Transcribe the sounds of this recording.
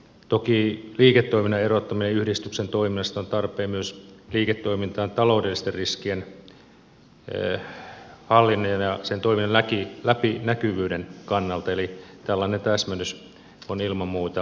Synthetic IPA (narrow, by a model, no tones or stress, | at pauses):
t̪okiːliːket̪ːoiminːɑerot̪ːɑmineyhdist̪yksent̪oiminɑst̪ont̪ɑrpˑeːmmyøsliːket̪ːoimint̪ɑːnt̪ɑloudelːist̪erriskien | hɑlːinːojɑnjɑsent̪oiminːɑlækilæpinækyʋyːdenkɑnːɑlt̪ɑelit̪ælːɑːnent̪æsmænys | onilmɑmmuːt̪ɑ